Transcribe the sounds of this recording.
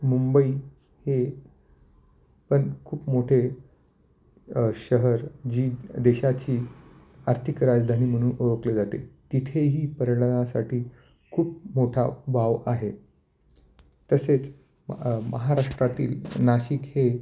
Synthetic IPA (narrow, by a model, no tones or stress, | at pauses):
mumbəiː | he | pəɳkʰuːpmoʈʰe | ɕəɦəɾd͡ʑiːd̪eɕat͡ɕiː | aɾt̪ʰikɾad͡zd̪ʱaniːm̤əɽ̃ũːnʔojokled͡zat̪ḛt̪it̪ʰeɦiːpəɾəɽənasaʈʰiː | kʰuːp̚moʈʰabʱaʋaɦe | t̪əset͡s | mə̰ɦaɾaʂʈɾat̪ḭːlnaɕiːkhe